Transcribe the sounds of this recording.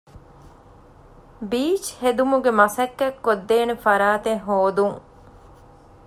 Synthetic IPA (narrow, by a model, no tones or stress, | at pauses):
biːt͡ʃhed̪umuɡemɐsɐkːɐkːod̪ːeːnefɐɾaːt̪eɦoːd̪uŋ